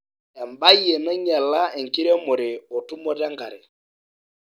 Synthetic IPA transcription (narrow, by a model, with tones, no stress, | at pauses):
ɛ˨mba˦jɛ˨mɛ˦ɲa˨la˦ɛ˨ŋ˨ki˦ɾɛ˦mo˨ɾe˨o˨tu˦mɔ˦ɾa˦ŋɡa̰˨ɾḛ˨